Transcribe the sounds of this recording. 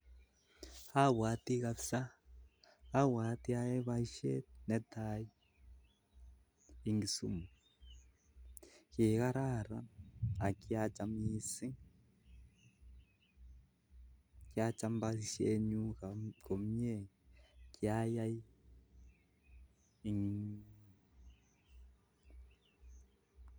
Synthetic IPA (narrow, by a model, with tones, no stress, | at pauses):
ha˦wa˨˦t̪i˦ɣa˧βsa˦ | a˦wa˨˦ti˦a˦ɛ˦βa˦i˦ʃɛ̰˦nɛ˨˦tʰa˨i˦ | i˨ŋɡi˨sṵ˦mu˨ | ki˨ɣa˦ɾa˦˨ɾa̰˦a˨ki˦a˦t͡ʃa˨mi˦si˦ | ki˦a˦t͡ʃa˦mba˦˨ʃɛ˦ɲu˦kakɔ˨m˦ɲe˨ | ki˦a˦ja˦i˦ | i˨ŋ